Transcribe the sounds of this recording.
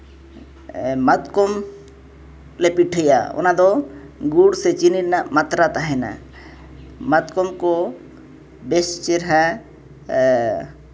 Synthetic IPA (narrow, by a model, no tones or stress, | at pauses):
mat̪kɔm | lɛpiʈʰəjaɔ̰nad̪ɔ | ɡuɽsɛt͡ʃiniɾnaʔmat̪ɾat̪aɦɛna̰ | mat̪kɔmkɔ | bɛst͡ʃɛɾɦa